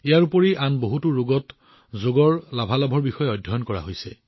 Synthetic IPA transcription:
ijaɹupoɹiʔanboɦutuɹoɡɔt | zoɡɔɹlabʱalabʱɔɹbixɔjɛɔjdʱːɔjɔnkɔɹa̰ɦojsɛ̰

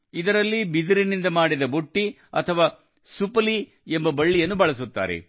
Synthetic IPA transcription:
id̪ɐɾɐlːibid̪iɾinind̪ɐmaːɽid̪ɐboʈːi | ɐ̰t̪ʰɐʋaː | supɐli | embɐbɐɭːijɐnːubɐɭɐsut̪ːa̰ːɾḛ

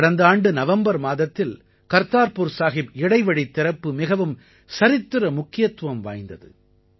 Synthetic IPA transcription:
ɽɐnd̪aːɳɖɯnɐʋɐmbɐɾmaːðɐt̪ːɪl | kɐɾt̪aːɾpuɾsaːɣɪbɪɽɐɪʋɐɽit̪ːɪɾɐpːɯmɪɣɐʋɯm | sɐɾɪt̪ːɯɾɐmʊkːɪjɐt̪ːʋɐmʋa̰ːjnd̪ɐðɯ̰

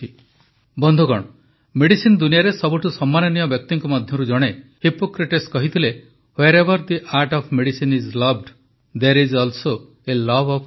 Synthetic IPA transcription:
bɔnd̪ʱukɔɽ̃ɔ | meɽisind̪unijaɾesɔbuʈʰusɔmːanɔnijɔbjɔk̚t̪iŋkumɔd̪ʱjɔɾud͡ʒɔɽ̃ehipokɾiʈeskɔɦit̪ʰile | hweɾebɔɾd̪iʔaɾʈɔpʰmeɽisinizlɔbɖ | d̪eɾizɔlso | elɔbɔp

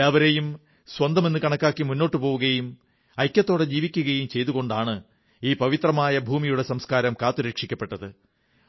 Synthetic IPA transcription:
aːʋɐɾejum | swɐnd̪ɐme̞nːɨkɐɳɐkːaːkːimunːo̞ːʈːɨpo̞ːʋuɣɐjum | ɐjkʲːɐt̪ːo̞ːɽe̞d͡ʑiːʋikʲːuɣɐjumt͡ɕe̞jðuɣo̞ɳɖaːɳɨ | iːpɐʋit̪rɐmaːjɐbʱuːmijuɽe̞sɐmskaːɾɐmkaːt̪ːuɾeːkʂikʲːɐpːe̞ʈːɐðɨ

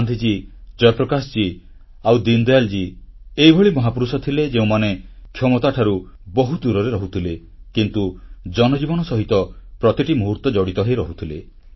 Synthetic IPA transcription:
nd̪ʱid͡ʒid͡ʒɔjɔpɾɔkasɔt͡ʃi | awd̪ind̪ɔald͡ʒieibʱɔɭimɔɦapuɾusɔt̪ʰiled͡ʒeũmanekʰjɔmɔt̪aʈʰaɾu | bɔɦud̪uɾɔɾeɾɔɦut̪ʰile | kint̪ud͡ʒɔnɔd͡ʒibɔnɔsɔɦit̪ɔpɾɔt̪iʈimuɦuɾt̪ɔd͡ʒɔɽit̪ɔɦejɾɔɦut̪ʰile

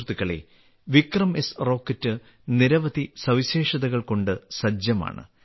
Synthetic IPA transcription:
t̪iɣɐɭḛ | ʋikrɐme̞sro̞ːkːɐtːɨ | niɾɐʋɐd̪isɐʋiɕeːʂɐðɐɣɐɭko̞ɳɖɨsɐd͡ʑjɐma̰ːɳɨ̰

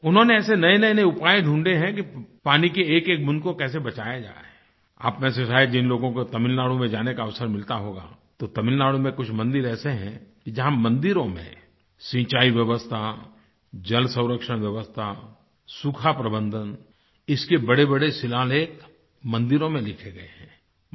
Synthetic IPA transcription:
ʊnɦõneɛːsenɐenɐeneʊpaːeɖʱũːɳɖeɦɛ̃k̬ipaːnikeeːkeːk̚mʊ̃nkokɛːs̬ebɐt͡ʃaːjad͡ʒa̰ː | a̰ːpmɛ̃ːseʃaːɪd͡ʒɪnloːɡõkot̪ɐmɪlnaːɽumẽd͡ʒaːnekaɐʋsəɾmɪlt̪aɦoːɡa̰ː | t̪ot̪ɐmɪlnaːɽumẽkʊt͡ʃʰmɐ̃nd̪ɪɾɛːseɦɛ̰̃kid͡ʒɐɦãmɐ̃nd̪ɪɾõmḛ̃ | sĩːt͡ʃaːiʋjɐʋəst̪ʰa | d͡ʒɐlsə̃ʊ̃ɾəkʃəɽ̃ʋjəʋəst̪ʰa | sukʰapɾəbə̃nd̪ʱən | ɪskebɐɽebɐɽesɪlaːleːk | mɐ̃nd̪ɪɾõmẽlɪkʰeɡɐeɦɛ̃ː

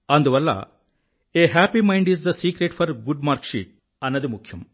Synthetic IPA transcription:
ɐnd̪uʋɐlːɐ̰ | eɦæːpimɐ̃jɳɖizd̪ɐsiːkɾeʈfʰɐɾɡuɖmaːɾkʃḭʈ̚ | ɐnːɐd̪imukʰjɐm

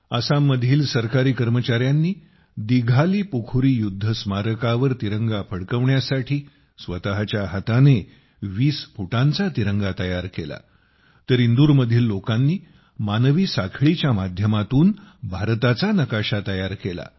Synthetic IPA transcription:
əsamːəd̪ʱiːlsəɾkaɾiːkəɾmət͡ɕaɾjanːiː | d̪iɡʱaliːpukʰuɾiːjud̪ʱːəsmaɾəkaʋəɾt̪iɾəŋɡapʰəɽkəʋɳjasaʈʰiː | sʋət̪aɦat͡ɕjaɦət̪ane | ʋiːspuʈãnt͡sat̪iɾəŋɡat̪əjaɾkela̰ | t̪əɾind̪uːɾməd̪ʱiːlːokanːiː | manʋiːsakʰɭit͡ɕjamad̪ʱjəmat̪uːnbʱaɾt̪at͡sanəkaɕat̪əjaɾkela̰

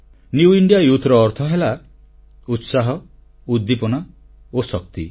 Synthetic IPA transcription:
njuiɳɖijajut̪ʰɾɔːɾt̪ʰɔɦela | ut̪saɦɔ | ud̪ːipɔna | osɔk̚t̪ḭ

